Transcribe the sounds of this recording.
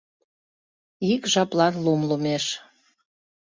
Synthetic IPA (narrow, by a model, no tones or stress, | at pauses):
ikʒɑplɑnlumləmeʃ